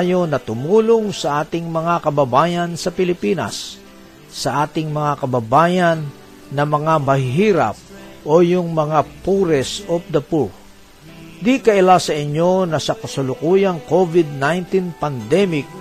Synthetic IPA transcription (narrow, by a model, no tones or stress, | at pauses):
jonɐt̪ʊmuːlʊŋsɐʔaːt̪ɪŋmɐŋakɐbɐbaːjɐnsɐpɪlɪpiːnɐ̰sː | ɐʔaːt̪ɪŋmɐŋakɐbɐbaːjɐnː | ɐmɐŋamɐhɪɦiːɾa̰p̚ | ʔojʊŋmɐŋapuɾɛsop̚d̪ɐpuɹ | d̪ikɐʔɪlasɐɪɲːo̞nɐsɐkɐsʊlʊkujɐŋkovɪd̪̚najnt̪inpɐnd̪ɛmɪk̚